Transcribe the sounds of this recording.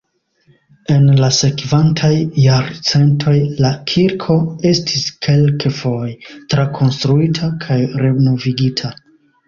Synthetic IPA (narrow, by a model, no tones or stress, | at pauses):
e̞nlase̞kvantʰajːaɾt͡se̞ntʰo̞jlakʰiɾkʰo̞e̞stʰiskʰe̞lkefo̞jtɾakʰo̞nstɾuitʰakʰajɾe̞no̞viɡitʰa